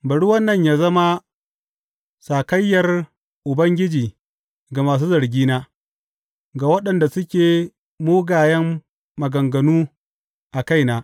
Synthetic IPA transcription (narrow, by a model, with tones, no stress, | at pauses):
bɐ˨ɽu˦wɐ˦nːɐ˦˨ɲjaː˦zɐ˦ma˦ | saː˨kɐ˦jːɐ˨r | ʔʊ˨bɐ˦ŋɡʲɪ˦d͡ʒiː˨ | ɡa˨maː˨s̬uː˦zɐ˨ɾɡʲiː˦naː˦ | ɡa˨wɐ˦ɗɐ˨nda˨sʊ˦kʲeː˨ | moː˦ɡaː˨jɛ˦mː | ɐ˨ɡɐ˨ŋɡɐ˨nuː˦ | ʔa˨ka˦jnaː˨˦